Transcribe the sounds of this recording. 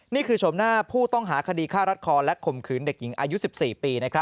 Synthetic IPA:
niː˥˩kʰɯː˧t͡ɕʰo˨˩˦mnaː˥˩pʰuː˥˩t̪ɔ˥˩ŋɦaː˩˦kʰa˧diː˧kʰaː˥˩ɾa˦˥t̪̚kʰɔː˧nlɛ˦˥kʰo˨˩mkʰɯː˩˦nde˨˩k̚ji˩˦ŋʔa̰ː˧ju˦˥si˨˩p̚siː˨˩piː˧na˦˥kʰɾa˦˥

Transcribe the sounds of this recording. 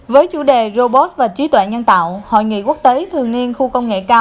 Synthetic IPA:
vəː˨˦jt͡ɕṵ˧˩ɗe˨˩zo˧ɓo˦˥t̚vaː˨˩t͡ɕi˨˦t̪wɛ̰˧˨ɲə˧nt̪a̰ː˧˨who̰˧˨jŋḭ˧˨ku˦˥ək̚t̪e˨˦t̪ʰɨ˨˩əŋni˧ənxu˧kə˧wŋ͡mŋḛ˧˨kaː˧

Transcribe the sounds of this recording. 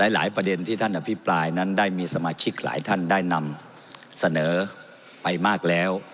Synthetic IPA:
lɛː˦˥la̰ː˩˦jpɾa˧de˧nt̪ʰiː˥˩t̪ʰa˥˩nʔa˧pʰi˦˥pɾaː˧jna˦˥ndaː˥˩jmiː˧sa˧maː˧t͡ɕʰi˦˥k̚la̰ː˩˦jt̪ʰa˥˩ndaː˥˩jna˧m | sa˧nɤː˩˦ | pa˧jmaː˥˩k̚lɛː˦˥w

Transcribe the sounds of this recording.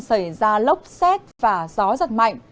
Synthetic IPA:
nsə˧˩jzaː˧lə˦˥wp̚sɛ˦˥t̚vaː˨˩zɔ˨˦za˨˩t̚ma̰˧˨jŋ

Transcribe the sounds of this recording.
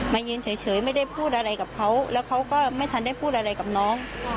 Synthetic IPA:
maː˧ɲɯː˧nt͡ɕʰəː˨˦jt͡ɕʰɤː˨˩˦jmaː˥˩jɗa˥˩jpʰuː˥˩t̪̚ʔaː˧ɾa˧jka˨˩kʰa˧˥wlɛː˨˥wkʰa˨˦˥wkɔː˧˥˩ma˥˩jt̪ʰa˨˦nɗa˥˩jpʰuː˥˩t̚ʔa˧ɾa˧˩jka˨˩p̚nɔː˨˦

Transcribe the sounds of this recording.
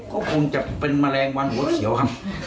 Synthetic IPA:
kɔː˥˩kʰu˧ŋt͡ɕa˨˩ʔpe˧nmaː˧lɛː˧ŋwa˧nu˨˦t̪̚kʰi˨˦əwkʰa˧˩m

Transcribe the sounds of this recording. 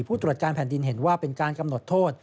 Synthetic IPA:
pʰuː˥˩ɾu˨˩t̪̚kaː˧npʰɛː˨˩˦ndi˧nɦe˩˦nwaː˥˩pe˧nkaː˧nka˧mno˨˩t̪ʰːoː˥˩t̪̚

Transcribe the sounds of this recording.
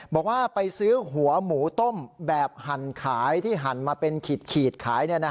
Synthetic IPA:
bɔː˨˩k̚waː˥˩pa˧jsɯː˦˥ɦu˩˦ɐmuː˩˦t̪o˥˩mbɛː˨˩p̚ha˨˩nkʰaː˩˦jt̪ʰiː˥˩ɦa˨˦nmaː˧pe˧nkʰiː˨˩t̪̚kʰiː˨˩t̪̚kʰaː˩˦jni˥˩ɐna˦˥

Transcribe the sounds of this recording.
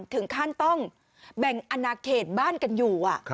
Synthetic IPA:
nt̪ʰɯ˩˦ŋkʰaː˥˩nt̪ɔ˥˩ŋ | bɛ˨˩ŋʔa˧naː˧kʰeː˨˩t̪̚baː˥˩nka˧njuː˨˩ʔa˨˩ʔ

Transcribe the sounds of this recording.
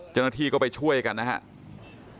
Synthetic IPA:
t͡ɕa˧wna˥˩t̪ʰiː˥˩kɔː˥˩pa˧jt͡ɕʰu˥˩əjka˧nːa˦˥kʰa̰˦˥ʔ

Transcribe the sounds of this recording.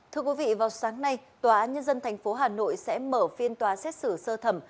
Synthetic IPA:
t̪ʰɨ˧əkwi˨˦vḭ˧˨vaː˨˩wsaː˨˦ŋna˧jt̪waː˨˩ʔaː˨˦nɲə˧nzə˧nt̪ʰa˨˩jŋ̟fo˨˦ɦaː˨˩no̰˧˨jsɛ̰˧˥məː˧˩fi˧ənt̪waː˨˩sɛ˦˥t̚sɨ˧˩səː˧t̪ʰə˧˩m

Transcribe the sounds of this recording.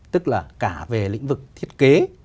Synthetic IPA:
t̪ɨ˦˥k̚laː˨˩kaː˧˩ve˨˩lḭ̈˧˥ŋ̟vɨ˨˩k̚t̪ʰi˦˥ət̚ke˨˦

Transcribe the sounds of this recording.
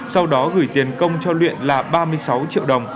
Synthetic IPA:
sa˧wɗɔ˨˦ɣɨ˧˩jt̪i˨˩ənkə˧wŋ͡mt͡ɕɔ˧lwḭ˧˨ənlaː˨˩ɓaː˧mɨ˧əjsa˨˦wt͡ɕḭ˧˨əwɗə˨˩wŋ͡m

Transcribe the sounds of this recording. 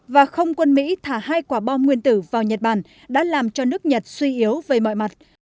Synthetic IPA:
vaː˨˩xə˧wŋ͡mkwə˧nmḭ˧˥t̪ʰaː˧˩haː˧jkwaː˧˩ɓɔ˧nŋwi˧ənt̪ɨ˧˩vaː˨˩wɲə˨˩t̚ɓaː˨˩n | ɗa̰ː˧˥laː˨˩mt͡ɕɔ˧nɨ˦˥ək̚ɲə˨˩t̚swi˧ʔi˨˦əwvəː˨˩jmɔ̰˧˨jma˨˩t̚

